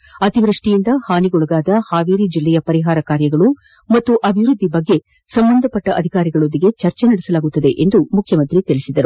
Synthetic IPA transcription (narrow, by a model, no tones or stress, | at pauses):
ɐt̪iʋɾɐʂʈijind̪ɐhaːniɡuɭɐɡaːd̪ɐhaːʋiːɾid͡ʒilːɛjɐpɐɾiɦaːɾɐkaːɾjɐɡɐɭu | mɐt̪ːuʔɐbʱiʋɾud̪ʱːibɐɡːe̞ | sɐmbɐnd̪ʱɐpɐʈːɐʔɐd̪ʱikaːɾiɡɐɭond̪iɡe̞t͡ʃɐɾt͡ʃenɐɽisɐlaːɡut̪ːɐd̪e̞ʔend̪umukʰjɐmɐnt̪ɾit̪iɭisid̪ɐɾu